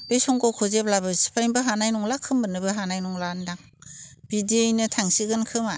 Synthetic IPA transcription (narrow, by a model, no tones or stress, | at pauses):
b̥ejsɔŋkɔkʰɔzep̚labɯsi̥pʰajbɯɦanajnɔŋlakʰɯmbɯnɯbɯɦanajnɔŋlandaŋ | b̥idijnɯtʰaŋsiɡɯnkʰɯma